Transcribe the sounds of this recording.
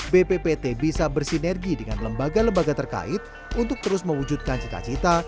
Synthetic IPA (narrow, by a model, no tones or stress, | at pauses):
bepepet̪ebisabərsinɛrɡidəŋanləmbaɡaləmbaɡat̪ərka̰ɪt̪̚ | unt̪ʊk̚t̪əɾʊsməwud͡ʒud̪̚kant͡ʃit̪a̰t͡ʃit̪a